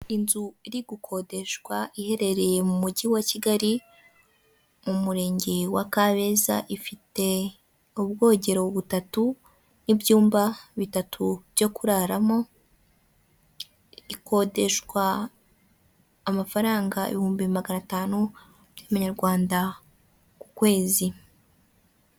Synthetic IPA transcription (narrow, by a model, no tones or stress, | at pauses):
inzuiɾiɡukʰo̞de̞ʃɡwaihe̞ɾe̞ɾe̞je̞mumuɟiwaciɡaɾi | mumuɾe̞ːɲɟe̞wakaβe̞za̰ʔifite̞ | uβɡo̞ːɟe̞ɾoβutatu | nibjuːmbaβitatʰubjo̞kuɾaɾamo̞ | iko̞de̞ʃɡwa | mafaɾaːŋɡaḛβihuːmbiβimaɡanataːnu | jaβaɲaɾɡwaːnda | kukwe̞ːzi